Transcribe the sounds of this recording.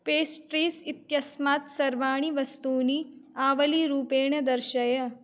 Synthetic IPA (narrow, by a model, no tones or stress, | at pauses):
peːsʈɾiːsit̪jɐsmaːt̪sɐɾʋaːɳ̃iʋɐst̪uːniaːʋɐliɾuːpeːɳɐd̪ɐɾʃɐjɐ